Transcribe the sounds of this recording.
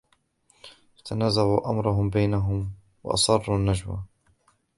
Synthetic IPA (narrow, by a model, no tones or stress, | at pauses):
fat̪anaːzaʕuːʔamɾˤɑɦʊmbajnaɦʊm | wɑ̰ʔɑ̰sˤɑrˤːuːnːad͡ʒwa̰